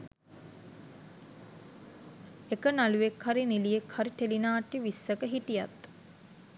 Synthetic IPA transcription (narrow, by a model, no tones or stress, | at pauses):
ekənaluʋekhaɾinilijekhaɾit̪elinaːʈiʋisːəkəɦitija̰t̪